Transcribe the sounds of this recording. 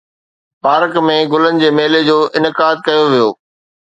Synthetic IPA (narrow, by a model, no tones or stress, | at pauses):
paːɾkmẽɡʊlənɪ̆d͡ʑeːmeːled͡ʑoːʔɪnɪkaːd̪̚kɐjoʋijoː